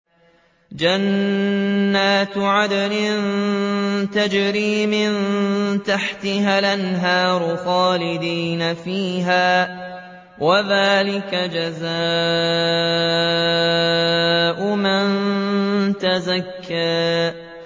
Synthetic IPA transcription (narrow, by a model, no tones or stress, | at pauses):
d͡ʒanː | aːt̪ʕad̪alɪn | t̪ad͡ʒɾiːmɪnt̪aħt̪ɪɦaːlʔanɦaːɾˤʊxɑːlɪd̪iːnafiːɦaː | waðaːlɪkad͡ʒazaː | ʔʊman | t̪azakʰːaː